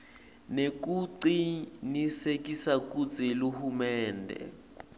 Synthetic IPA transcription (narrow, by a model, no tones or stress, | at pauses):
nekuǀinisekisakʼut͡sʼiluhumɛːndʱɛ̰